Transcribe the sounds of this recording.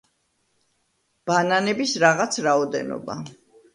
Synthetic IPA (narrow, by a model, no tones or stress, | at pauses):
b̥ananɛbisɾaʁat̪sʰɾaɔd̪ɛ̰nɔ̰ba̰